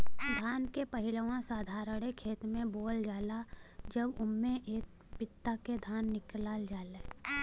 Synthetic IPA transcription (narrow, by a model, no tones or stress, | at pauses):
d̪ʱaːnkepəɦɪləʋãsaːd̪ʱaːɾəɽekʰeːt̪mẽboːld͡ʒaːlad͡ʒəbʊmːẽʔeːk | pɪt̪ːaked̪ʱaːnːɪklaːld͡ʒaːleː